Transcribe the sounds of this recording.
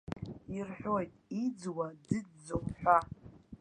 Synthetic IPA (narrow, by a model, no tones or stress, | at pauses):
irħʷᶣo̞jtʼid͡zwadɨdd͡zowħᶣʷa